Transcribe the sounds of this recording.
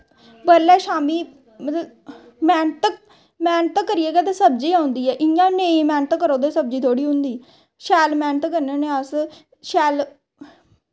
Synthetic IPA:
bəɾlɛːʃaːmiː | mət̪lə | mɛːnt̪ək | mɛːnt̪əkːəɾieːɡɛːt̪eːsəb̚d͡ʒiːaːʊ̃nd̪iːɛːʔɪjãːneĩmɛ̃ːnt̪kːəɾõːd̪eːsəb̚d͡ʒiːt̪ʰoːɽiːɦʊ̃nd̪iː | ʃɛːlmɛ̃ːnt̪kːəɾneːneːas | ʃɛːl

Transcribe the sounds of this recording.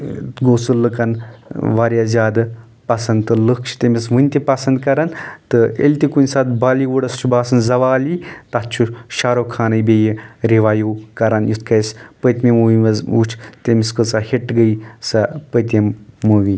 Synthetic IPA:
ɡoːsɨlɨkɐnʋaːɾʲjazʲaːd̪ɨ | pɐsɐnd̪t̪ɨlɨkʰt͡ʃʰt̪emʲisʋɨnʲt̪ʲipɐsɐnd̪kɐɾɐnt̪ɨḛlʲt̪ʲikunʲsat̪̚baːliʋuɽɐst͡ʃʰubaːsɐnzɐʋaːlit̪at͡ʃʰuʃaːɾoːkʰaːnɐjbejiɾiʋaːjukɐɾanjut̪̚ʰkʰɐspət̪ʲmimuʋiɐzut͡ʃʰt̪emʲiskɨt͡saheʈɡɐjsɐpət̪ʲemːuʋi

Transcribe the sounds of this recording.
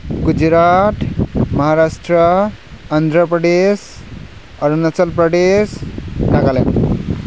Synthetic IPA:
ɡud͡ʑɾat̪mɐɦaɾasʈɾəː | nd̪ʱɾəpɾəɖ̪es | ɐɾunɐt͡səlpɾəd̪esɖaɡalen

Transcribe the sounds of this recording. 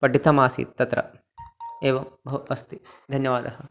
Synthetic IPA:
pɐɖit̪ɐmaːsḭt̪ɐt̪ɾɐ̰ | eːʋɐbʱɐuɐst̪id̪ʱɐnjɐʋaːd̪ɐɦɐ

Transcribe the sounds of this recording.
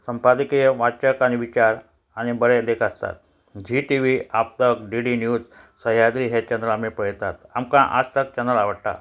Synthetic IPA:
səmpad̪ikijəʋat͡ɕəkañiʋit͡ɕaɾ | añibəɾed̪ekʰəst̪a̰t̪̚ | d͡ʑiʈiʋiap̚t̪əkɖiɽinjuːd͡z | səɦjad̪ɾiɦet͡ɕənɾəlamipəɽjt̪at̪amkãʔa̰sʈ̪ək̚t͡ɕənəlaʋəɽʈa̰

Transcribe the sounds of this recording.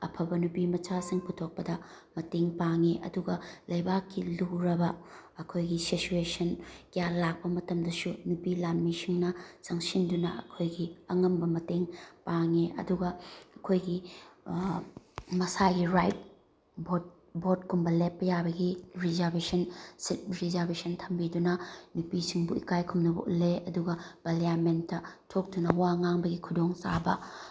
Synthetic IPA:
ɐpʰɐbɐnupimɐt͡ʃasiŋputʰok̚pɐdɐ | mɐteŋpaŋiʔɐ̰duɡɐlɐjbakːiluɾɐbɐɐkʰojɡisit͡ʃuesɐnkijalak̚pɐmɐtɐmdɐsunupilanmisiŋnɐt͡ʃɐŋsindunɐ̰ɐ̰kʰojɡiɐŋɐmbɐmɐteŋpaŋiʔɐ̰duɡɐɐkʰojɡi | mɐsaɡiɾajt̚ | bo | bot̚kumbɐlepːɐjabɐɡiɾizɐɾbesʰɐnsit̚ɾizɐɾbesɐntʰɐmbidunɐnupisiŋbuḭkajkʰumnɐbɐ̰ʔuleɐduɡɐb̥ɐliamentːɐtʰok̚dunɐwaŋaŋbɐɡikʰudoŋsa̰bɐ̰

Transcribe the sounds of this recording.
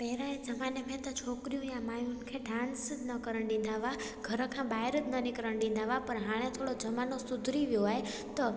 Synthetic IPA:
pɛɾãẽd͡ʒəmanemẽt̪ət͡ʃʰoːkɾijũjãmajunkʰeɖãːnsnəkəɾəɽ̃ɖĩn̆d̪ʱaʋa | ɡ̥ʱəɾəkʰãbaːɦɪɾət̪nənɪkɾəɽ̃ɖĩnd̪ʱaʋapəɾɦaɭ̃ẽt̪ʰoɽod͡ʒəmanosʊd̪ʱɾiʋjoɦae | t̪ɔ

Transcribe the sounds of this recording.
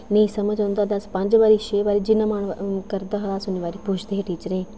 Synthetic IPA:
nẽĩsɐməd͡ʒõnd̪ad̪ɐspɐ̃ɲd͡ʒʋaːɾiʃeːʋaːɾid͡ʒɪnamaːɳkɐɾd̪aɦɐlaːsʊniʋaːɾipuːt͡ʃʰd̪eɦeʈiːt͡ʃəɾẽː

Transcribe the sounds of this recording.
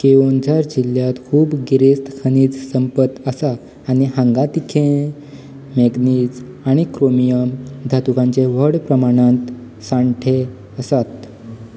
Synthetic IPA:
keond͡zaɾd͡ʑiljat̪kʰuːbɡiɾest̪kʰəniːd͡zsəmpət̪əsaː | ɽ̃iɦãŋɡat̪ikʰẽ | meɡniːd͡z | aɽ̃ikɾomijəmd̪ʱat̪ukãɲt͡ɕeʋəɽpɾəmaɽ̃ãnt̪ | sãɳʈʰe | əsat̪

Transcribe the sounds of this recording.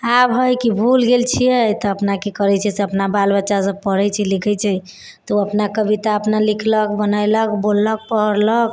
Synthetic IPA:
abɦəjkibʱulɡelt͡ʃʰijɛt̪ɔəpnakekəɾɛt͡ʃʰɛseəpnabalbətːʃasəb̚pəɾɛjt͡ʃʰɛlikʰɛt͡ʃʰɛ | t̪ɔəpnakəbʱit̪aəpnalikʰləkbənajlək̚bolːək̚pəɦəɾlək

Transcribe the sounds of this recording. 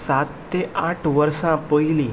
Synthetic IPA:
sat̪ːeaʈʰʋəɾsãpəɦili

